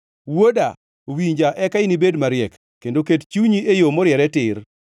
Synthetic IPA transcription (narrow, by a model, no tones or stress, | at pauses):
woda | owiɲd͡ʒaʔɛkaɪnibedmaɾjɛkːendokett͡ʃuɲiejomɔɾjɛɾɛtɪr